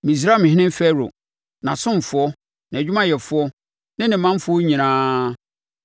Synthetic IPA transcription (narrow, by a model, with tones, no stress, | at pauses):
mĩ˨s̬ɾa˦˨mɪ̃˨ɦɪ̃˦nɪ̃˦fɛ˦ɾo̰˨ | nã˨sʊ̃˦m˨fʊ˨ɔ˦ | nã˨æ˨d͡ʑᶣu˦mã˦jɛ˨fʊ˦ɔ˦ | nɪ̃˦nɪ̃˨˦mã˦m˦fʊ˦ɔ˦ɲĩ˨nãː˦